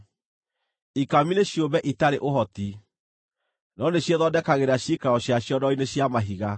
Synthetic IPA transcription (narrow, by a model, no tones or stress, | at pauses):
ikamineɕjombɛʔitaɾeʔoɦɔti | nɔneɕjeðɔdɛkaɣeɾaɕikaɔɕjaɕjɔdɔineɕjamaɦiɣa